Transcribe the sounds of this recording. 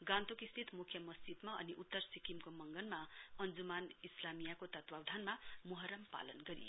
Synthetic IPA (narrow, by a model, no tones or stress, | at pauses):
ɡãnt̪okist̪ʰit̪mukʰjʌmʌsd͡zid̪maʌ̰niʔut̪ːʌrsikimkomʌŋɡʌnmaʌnd͡zumanislamijakot̪ʌt̪wawd̪ʱanmamuɦʌɾʌmpa̰lʌnɡʌɾḭjo